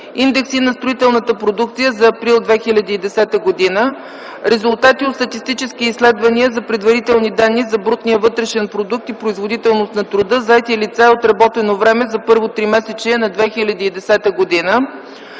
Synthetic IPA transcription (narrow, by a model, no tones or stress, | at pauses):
ind̪ɛksinɐst̪ɾoit̪ɛlˠnət̪əpɾod̪uk̚t̪sijəzɐːpɾilˠd̪vɛxilʲɐd̪iːd̪ɛsɛt̪əɡod̪inə | ɾɛzʊlˠt̪at̪iot̪st̪ət̪ist̪it͡ʃɛskiislɛd̪vɐniəzɐpɾɛd̪vɐɾit̪ɛlˠnid̪anːizɐbɾut̪nijəvɤt̪ɾɛʃɛnpɾod̪uk̚t̪ipɾoizvod̪it̪ɛlˠnost̪nɐt̪ɾod̪ɤzɐɛt̪ilit̪saot̪ɾɐbɔt̪ɛnovɾɛmɛzɐpɤɾvot̪ɾimɛsɛt͡ʃɛnɐd̪vɛxilʲɐd̪iːd̪ɛsɛt̪əɡod̪inə